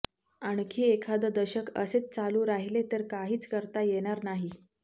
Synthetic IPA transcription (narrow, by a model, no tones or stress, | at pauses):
aɳ̃kʰiːekʰad̪əd̪əɕəkəset͡st͡saluːɾaɦilet̪əɾkaɦiːt͡skəɾt̪ajeɽ̃aɾnaɦi